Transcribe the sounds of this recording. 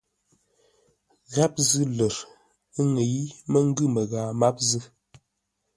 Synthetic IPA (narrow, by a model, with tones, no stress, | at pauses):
ɣa˦p̚zɨ˦lə˨ɾ | ə˦ŋe˨i˦mə˦ŋ̩˦ɡɨ˦mə˨ɣaː˨ma˦p̚zɨ˦